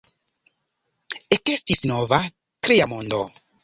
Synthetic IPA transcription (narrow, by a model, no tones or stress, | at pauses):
eke̞stisno̞va | tɾejamondo